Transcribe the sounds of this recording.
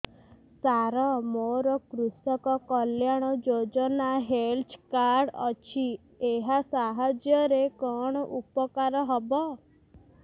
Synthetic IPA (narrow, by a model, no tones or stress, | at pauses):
saɾɔmoɾɔkɾusɔkɔkɔljaɽ̃ɔd͡ʒod͡ʒɔnaɦelt͡ʃʰkaɾɖɔ̰t͡ʃʰi | eɦasaɦɔd͡ʒjɔɾekɔɽ̃ɔʔupɔkaɾɔɦɔbɔ